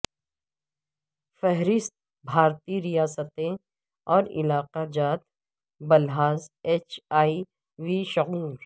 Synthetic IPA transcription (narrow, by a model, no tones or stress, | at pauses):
fɛɦɾɪst̪̚ | bʱaːɾt̪iɾijaːsət̪ẽ | ɔːɾɪ̰laːqad͡ʒaːt̪ | bɐlɦaːzeːt͡ʃaːi | ʋiːʃʊɣuːɾ